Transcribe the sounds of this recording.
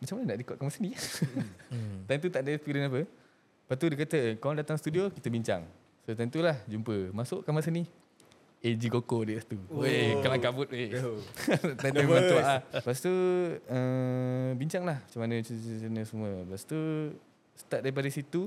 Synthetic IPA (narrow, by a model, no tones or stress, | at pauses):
mat͡ʃamanənaʔdikɔʔ̚kamasənĩ | t̪ant̪̬ut̪aʔdaist̪udənap̬ə | pat̪udəkat̪əkalaŋdat̪aŋst̪udiokit̪əbiɲt͡ʃa̰ŋ | sot̪̬ənt̪ulahd͡ʒumpəmasʊʔkamasəni | ed͡ʒiɡokodəʔst̪uekalaŋkavʊt̪we | t̪aeauaʔpaʔs̬t̪uə | biɲt͡ʃaŋlahmat͡ʃamanəənəsəmuəpaʔst̪u | sə̥t̪ap̚daɾip̬adəsit̪u